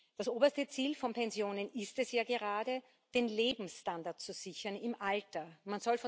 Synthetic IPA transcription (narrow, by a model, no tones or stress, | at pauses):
d̥asʔoːbɐstət͡siːlfɔnpɛnzjoːnənɪstɛsjaːɡəʁaːdə | d̥eːnleːbm̩standaɐt̚t͡suz̥ɪçɐnɪmʔaltɐmanz̥ɔlf